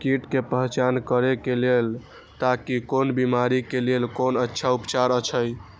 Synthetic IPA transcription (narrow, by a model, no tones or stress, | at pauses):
kiʈkepəɦt͡ʃankəɾekelel | t̪akikonbimaɾikelelkonətːʃʰaupt͡ʃaɾət͡ʃʰəj